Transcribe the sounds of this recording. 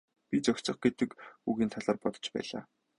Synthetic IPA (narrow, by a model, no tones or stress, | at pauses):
pʲit͡sɔkʲt͡sɞ̆χɡet̪ɘ̆kuɣiːnt̪ʰaɮaːrpɔt̪ɞ̥̆t͡ɕpæ̰ːɮa̰ː